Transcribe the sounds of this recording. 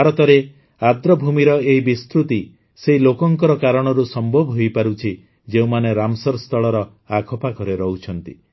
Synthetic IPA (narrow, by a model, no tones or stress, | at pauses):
aɾɔt̪ɔɾe | ad̪ɾɔbʱumiɾɔeɦibist̪ɾut̪i | seɦilokɔŋkɔɾɔkaɾɔɽ̃ɔɾusɔmbʱɔbʱɦojpaɾut͡ʃʰi | d͡ʒeũmaneɾamsɔɾst̪ʰɔɭɔɾɔ | akʰɔpakɔɾeɾɔɦut͡ʃʰɔnt̪i